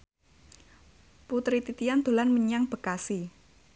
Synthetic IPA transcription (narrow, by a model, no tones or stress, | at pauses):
put̪ɾit̪it̪iand̪o̤lanməɲaŋb̥ə̤kasi